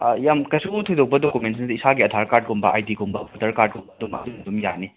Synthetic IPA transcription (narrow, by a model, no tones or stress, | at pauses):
jamkɐjsuɡutʰojdɔk̚pɐdokumentsnɐdiisʰaɡiɐtʰaɾkaɾd̚ɡɔmbɐʔajdiɡumbɐbɔtɐɾkaɾd̚ɡɔmbɐdumɐ̰d̪umɐtumja̰ni